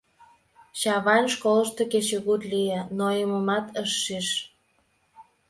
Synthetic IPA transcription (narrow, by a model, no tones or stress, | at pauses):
ɕɑβɑnʃkolə̆ʃt̪eket͡ɕeɣut̪lienojəməmɑt̪əʃːiʃ